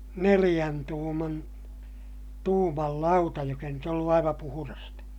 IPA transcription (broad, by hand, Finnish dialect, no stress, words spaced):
nelij̆æn tuːmɑn tuːmɑl lɑutɑ jok ei nyt olːu ɑiʋɑ puhurɑstɑ